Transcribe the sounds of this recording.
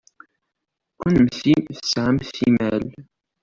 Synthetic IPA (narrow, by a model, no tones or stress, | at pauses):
kʷːənmθimθə̥sʕamθimæl